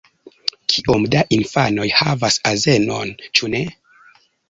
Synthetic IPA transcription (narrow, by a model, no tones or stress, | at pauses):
kʰiʔomdaʔinfano̞jhavasaze̞no̞nt͡ʃune̞